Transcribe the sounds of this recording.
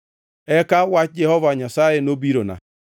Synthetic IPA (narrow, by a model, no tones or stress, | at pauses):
ɛkawad͡ʒɛhɔvaɲasajenobiɾona̰